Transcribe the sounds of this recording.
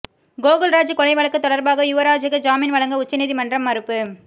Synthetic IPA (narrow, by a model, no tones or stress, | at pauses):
ɡoːɣɐlɾaːd͡ʒɯkɔlɐɪʋɐɭɐkːɯt̪ːɔɽɐɾbaːɣɐjʊʋɐɾaːd͡ʒɐɣɐd͡ʒaːmɪnʋɐɭɐŋɡɐʊt͡ʃːɐniːðimɐndrɐmːɐɾɯpːɯ